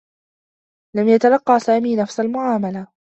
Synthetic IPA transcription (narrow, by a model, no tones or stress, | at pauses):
lamjat̪alɑqːɑːsaːmiːnafsalmʊʕaːmala